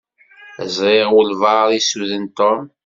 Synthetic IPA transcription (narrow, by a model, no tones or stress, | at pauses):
əzˤɾeʁʊlvɑðˤisuðənt̪ɔm